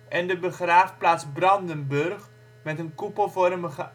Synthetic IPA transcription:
ʔɛndəbəχraːfplaːtzbrɑndənbɵrχ | mɛtənkupəlˠvɔrməχə

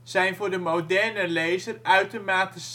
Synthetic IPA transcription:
z̥ɛjnvʊːɹdəmodɛɹnəlejzərœɥtomaːtis

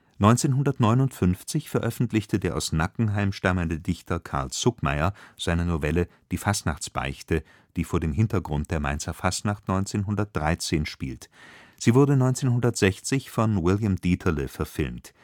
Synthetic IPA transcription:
nɔʏnt͡seːnɦʊndɐtnɔʏnʊntfʏnft͡sɪçfɛɐʔœfn̩tlɪçtədeːɐʔa̰ʊsnakŋ̩ɦaɪmʃtaməndədɪçtʰɐkʰa̰ɐlst͡sʊkma̰ɪɐz̥aɪnɐnovɛlə | d̥iːfastnaχt͡sb̥a̰ɪçtə | d̥iːfoːɐdeːmɦɪntɐɡʁʊnt̚d̥eːɐma̰ɪnt͡sɐfastnaχtnɔʏnt͡seːnɦʊndɐt̚d̥ʁaɪt͡seːnʃpḭːltz̥iːvʊɐdənɔʏnt͡seːnɦʊndɐtz̥ɛçt͡sɪçfɔnwɪljamd̥iːtʰɐləfɛɐfɪlmt

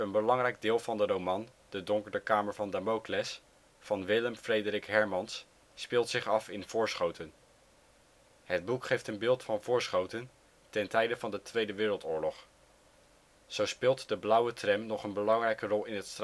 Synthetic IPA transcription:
ənbəlɑŋrɛjɡ̚dɪːlˠvɑndərowmɑn | d̥ədɔŋkəɹdəkaːməɹvɑndamowklɛs | fɑnʋɪləmfrejdərɪkɦɛɹmɑnsː | pɪːlˠtsɪχɑfɪnv̥ʊːɹsχowtən | ɦəd̚bukχejftənbɪːlˠtfɑnvʊːɹsχowtən | tɛntɛjdəvɑndətʋejdəʋɪːɾəlˠtʊːɹlɔχ | z̥owspɪːlˠtdəblʌwətrɛmnɔχənbəlɑŋrɛjkərɔlˠɪnətstr

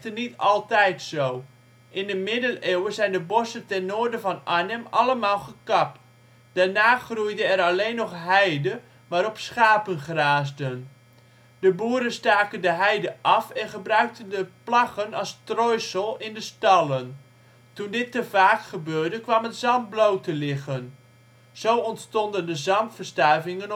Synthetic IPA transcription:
tənitɑlˠtɛjtsoː | ʔɪndəmɪdəlewəzɛjndəbɔsəntɛnːoːɹdəvɔnanəmalˠəmaːlˠχəkɑp̚t | d̥anaːχrujdəɛraleːnːɔχɦɛjdə | ʋaɾɔpsχaːpənχraːzdən | d̥əbuːəɾənstaːkəndəɦɛjdəʔɑfɛnχəbrœɥk̚təndəplɑχənɑlˠstrɔjsəlˠɪndəstɑlˠən | tundɪtːəvaːkχəbøːɹdəkʋɑmətzɑnt̚blowtəlɪχən | z̥owɔntstɔndəndəzɑntfərstarvɪŋən

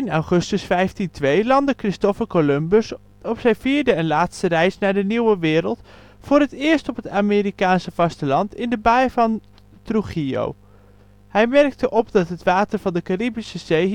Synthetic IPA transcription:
ɪnawχɵstəsfɛjftintʋejlɑndəkrɪstɔfəɹkolɵmbəs | ɔpsɛjviːɹdəɛnlaːtstərɛjsnaːɹdəniwəʋɪːɾəlˠt | fʊːɹɦətɪːɹstɔpɦətaːmɪːɾikaːnsəv̥ɑstəlɑntɪndəbajvɑn | truχio̰w | hɛjmɛɹk̚təʔɔpdɑtɦətʋaːtəɹvɑndəkaribisəzej

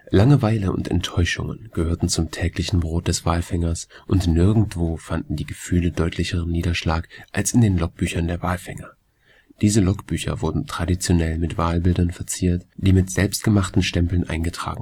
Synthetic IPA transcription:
laŋəvaɪləʊ̰ntɛ̰ntʰːɔʏʃʊ̰ŋə̰nɡ̥əhøːɐtn̩t͡sʊmtʰɛːklɪçn̩bʁoːt̚d̥ɛsv̥aːlfɛŋɐsʔʊntnɪɐɡŋ̩tv̥oːfandn̩diːɡəfyːlədɔʏtʰlɪçəʁənːiːdɐʃlaːkʔalsɪndeːnlɔk̚b̥yːçɐndeːɐvaːlfɛŋɐ | d̥iːzəlɔkb̥yːçɐ̰vʊɐdn̩tʁ̥adit͡sjonɛlmɪtv̥aːlbɪldɐnfɛɐt͡siːɐtd̥iːmɪtz̥ɛlpst̚ɡ̥əmaχtn̩ʃtɛmpl̩nʔa̰ɪnɡətʁ̥a̰ːɡŋ̩

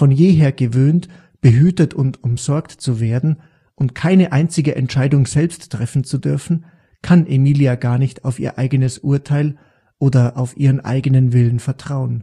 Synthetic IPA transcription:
fɔnjeːɦeːɐɡəvøːnt | b̥əɦyːtətʰʊntʊmz̥ɔɐktt͡suveːɐdn̩ | ʔʊntkʰaɪnəʔaɪnt͡sɪɡəʔɛntʃaɪdʊŋz̥ɛlpstːʁ̥ɛfn̩t͡sudʏɐfn̩ | kʰanʔemiːliaɡaːɐnɪçtʰaʊfḭːɐʔaɪɡənəsʔʊɐtʰaɪl | ʔoːdɐʔaʊfʔiːʁənʔa̰ɪɡənənvɪlənfɛɐtʁ̥aʊən

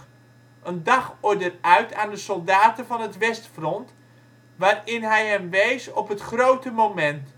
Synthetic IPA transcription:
ʔəndɑχɔɹdərœɥtʰaːndəsɔlˠdaːtəvɑnɦətʋɛstfrɔnt | ʋaːrɪnɦɛjɦɛmʋejsɔpətχrowtəmomɛnt

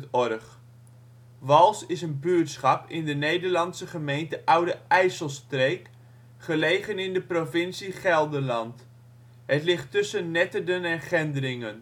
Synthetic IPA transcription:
ɔrχ | ʋɑlˠsɪsənbyətsχɑpɪ̰ndənejdəɹlɑnsəχəmejntəʔʌwdəɛjsəlˠstrek | χəlejχənɪndəprovɪnsiχɛlˠdəlɑnt | ɦətlɪχtːʏsənːɛtədənɛnχɛndərɪŋən

